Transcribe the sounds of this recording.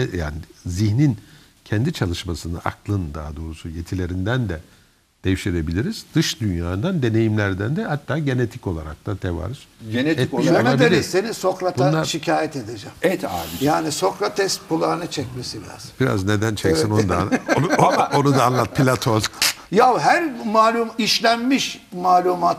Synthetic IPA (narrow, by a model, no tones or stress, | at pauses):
ɛja̰ːniziɦnin | cʰɛnd̪it͡ʃʰalˠɯʃmasɯnd̪aʔaklˠɯnd̪aɦad̪o̞ːɾusujet̪ʰilʲe̞ɾind̪ænd̪ɛ | d̪̥ejiʃt̪iɾe̞bilʲiɾiz̥d̪̥ɯʃd̪ynjaːɯnd̪and̪e̞ne̞jimlʲæɾd̪ænd̪ɛhat̪ʰːaːɟe̞net̪ʰi̥co̞lˠaɾa̰k̚t̪at̪ʰɛva̰ɾɯz̥enet̪ɛik̪aad̪ielʲise̞niso̞kɾatbunaaɾʃicʰaːjɛt̪ed̪ed͡ʒɛmajaːniso̞kɾat̪ʰɛst̪̚pʰulˠanɯt͡ʃʰɛcmesibiɾa̰zb̥iɾa̰zne̞d̪ænt͡ʃʰɛksinond̪aoonud̪aːnlˠat̪̚pʰilʲat̪ʰolˠjawɦæɾmaːlʲumiʃlʲænmiʃmaːlʲumat̪